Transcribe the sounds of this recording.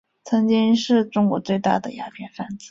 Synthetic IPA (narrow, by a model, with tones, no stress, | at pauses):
t͡sʰɤ˧˥ŋt͡ɕi˥ŋʂɻ̩˥˩ʈ͡ʂʊ˥ŋkwɔ˧˥t͡swe˥˧ɪt̪a̰˥˩d̪ə̰˩ja˧˥pʰjɛ˥˩nfa˥˩nt͡sɹ̩˥˩˦